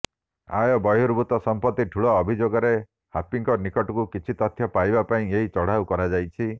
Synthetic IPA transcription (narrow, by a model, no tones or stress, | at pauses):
a̰jɔbɔjuɾbut̪ɔsɔmpɔt̪ːiʈʰuɭɔːbʱid͡ʒoɡɔɾe | hapiŋkɔnikɔʈɔkukit͡ʃʰit̪ɔt̪ʰjɔpajbapaĩeɦit͡ʃɔɽ̤awkɔɾad͡ʒajt͡ʃʰi